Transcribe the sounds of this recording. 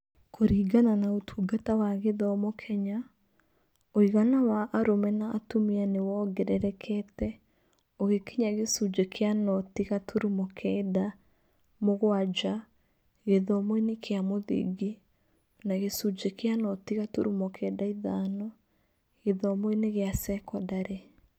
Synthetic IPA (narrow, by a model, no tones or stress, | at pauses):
kʰoɾiːɡananaotʰuːɡatawaɣeðɔmokʰɛɲa | oiɣanawaʔːɾomɛnaːtomianewɔɡɛɾɛɾɛkʰɛtɛ | oɣekeɲaɣesud͡ʒɛkʰeanɔtiɣatʰoɾumɔkʰɛda | moɣwad͡ʒa | ɣeðɔmoinekʰeamoðḭɡi | naɣesud͡ʒekeanɔtiɣatoɾumɔkʰɛːdaiðaːnɔ | ɣeðɔmoeneɣeasɛkɔdaɾe